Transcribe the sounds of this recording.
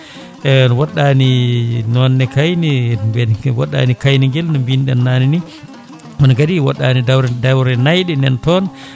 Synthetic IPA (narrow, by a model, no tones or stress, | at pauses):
ɛnɔwaɗːaninɔnːɛkajnimbɛnwa̰ɗːa̰nikajniŋɡɛlnɔmbinɗɛ̰nːanini | ɔnɡadiwa̰ɗːaːnidawɾɛdawɾɛnajɗɛnɛntɔn